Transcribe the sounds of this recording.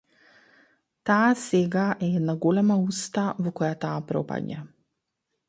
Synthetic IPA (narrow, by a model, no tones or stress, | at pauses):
t̪aːsɛɡaʔɛed̪naɡɔlɛmaust̪avɔkɔjat̪aːpɾɔ̰pa̰ɲa